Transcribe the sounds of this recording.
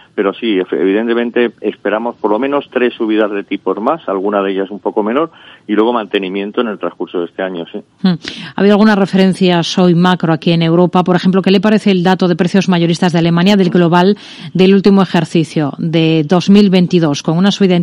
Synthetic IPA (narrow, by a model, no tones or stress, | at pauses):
pe̞ɾo̞sieḛβiðe̞nt̪e̞ment̪e̞espe̞ɾamo̞spoɾlo̞mẽ̞no̞st̪ɾe̞sːuβ̞iðazðe̞t̪ipo̞zmasalɣ̞unaðeʎaes̬umpo̞ko̞mẽ̞no̞ɾilwe̞ɣ̞o̞mãnt̪e̞nĩmjent̪oene̞lt̪ɾaskuɾsoðe̞st̪e̞aɲo̞sih̩a̰βiðoalɣunare̞feɾe̞n̟θjaso̞jmakɾoakie̞ne̞wɾo̞papo̞ɾexe̞mp̬lokele̞paɾeθeːld̪at̪oð̞e̞pɾeθjo̞zmaʝo̞ɾist̪azðeale̞mãnjaðe̞lɡlo̞β̞al | d̪e̞lult̪imoexe̞ɾθiθjod̪ed̪o̞zmilβe̞nt̪iðo̞sko̞ŋunasuβiðan